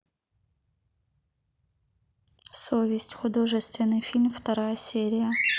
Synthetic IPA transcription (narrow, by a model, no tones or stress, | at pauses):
sovʲɪsʲtʲxʊd̪o̞ʐɨst̪vʲɪnːɨjfʲilʲmft̪ɐɾajəsʲeɾʲɪjə